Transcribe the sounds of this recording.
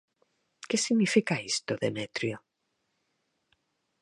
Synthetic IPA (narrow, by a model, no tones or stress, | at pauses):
kesiɣnifikaist̪oðemet̪ɾjo